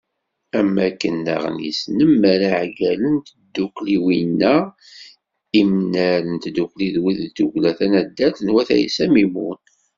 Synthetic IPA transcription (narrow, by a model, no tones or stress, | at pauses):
æmːækːənːɑ̰ʁnḭsnəmːæɾaʕɡælənt̪d̪ːukliwinːæ | imnæɾənt̪d̪ːukliðwiðd̪uʝlæθænæd̪ːæθnwæθæ̰jḭsæmimun